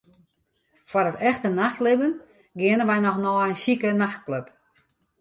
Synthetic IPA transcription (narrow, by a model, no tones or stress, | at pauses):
fwɔrətɛxtənaxtlɪbən | ɡɪənənʋɛjnɔxnɔːənʃikənaxt̚kløp